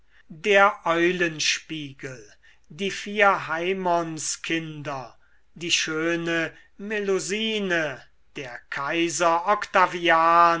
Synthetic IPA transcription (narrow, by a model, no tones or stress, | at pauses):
deːɐʔɔʏlənʃpiːɡəl | diːfiːɐɦaɪmɔnskʰɪndɐ | diːʃøːnə | meloziːnə | d̥eːɐkʰaɪzɐʔɔkt̪aviaːn